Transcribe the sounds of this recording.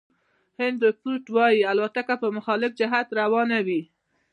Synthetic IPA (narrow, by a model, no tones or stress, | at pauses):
hɪnd̪ɾɪpuʈwɑjialwat̪akapəmʊxɑlɪfd͡ʒɪɦat̪ɾawɑnawi